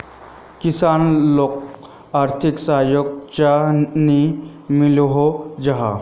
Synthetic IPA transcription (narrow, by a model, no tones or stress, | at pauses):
kisaːnlok̚ | aːɾt̪ʰiksaːjoɡ̚t͡ʃani | miloɦod͡ʒaɦa̰